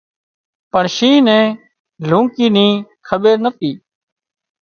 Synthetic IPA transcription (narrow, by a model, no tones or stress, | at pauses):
pəɳʃiːnɛ̃ː | lũːkiːnĩːkʰəɓeːɾnət̪iː